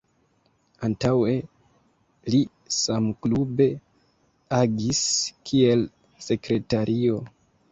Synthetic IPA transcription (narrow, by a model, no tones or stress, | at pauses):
antawe̞ | li | samklube̞ | aɡiskʰie̞l | se̞kɾe̞taɾʔio̞